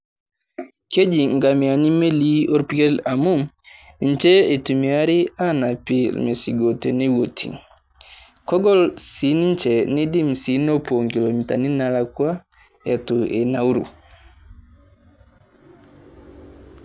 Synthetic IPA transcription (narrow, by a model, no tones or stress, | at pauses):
ked͡ʒiŋɡamianimelioɾpikɛlamum | int͡ʃɛɛtumiaɾianapilmesiɡotɛnɛwotʰːḭ | kɔɡɔlsinint͡ʃɛnedimsinɔpoŋkilomita̰ninalakua | ɛtuʔɛnawɾṵ